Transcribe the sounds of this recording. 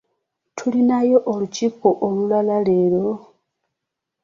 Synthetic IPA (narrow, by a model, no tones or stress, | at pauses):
tʰulinajoʔolucipoʔolulalale̞lo̞